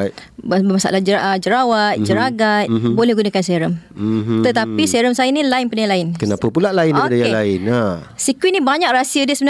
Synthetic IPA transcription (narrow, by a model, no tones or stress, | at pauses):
bbəmasa̰ʔlahd͡ʒəad͡ʒəɾawat̪̚d͡ʒəɾaɡat̪̚bolɛhɡunakanseɾəmt̪ət̪apiseɾəmsajənilaɪnpənajãlaɪnkənapəpulaʔlaɪndipadajalaɪnasikwinibaɲak̚rasiədəsəbən